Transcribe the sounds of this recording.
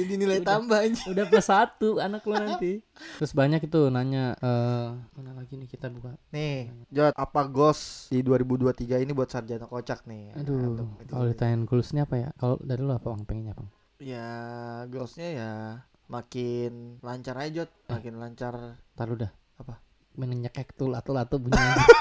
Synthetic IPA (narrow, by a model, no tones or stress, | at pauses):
adinilajd̪ambaɲudapəsat̪uanaklonant̪i | ɾʊsbaɲakit̪unaɲaəːmanalaɡinɪhkit̪abukanɪd͡ʒɔt̪ʔapaɡɔsdiduaɾibuduat̪iɡainibuat̪̚sard͡ʒanakot͡ʃak̚nɪdukalodit̪aɛnɡulʊsniapaja̰kalo̰daɾiloapawaŋpɛŋɛɲapaŋ | jaɡɔsɲaja | makɪnlaɲt͡ʃaɾad͡ʒɔt̪̚makɪnlaɲt͡ʃart̪aludah | apa | bənəɲəkɛkt̪ulat̪olaat̪obuɲa